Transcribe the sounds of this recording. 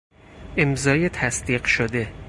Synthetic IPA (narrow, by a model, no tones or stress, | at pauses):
ʔemzɒːjet̪ʰæsd̪̥iːɢʃod̪e̞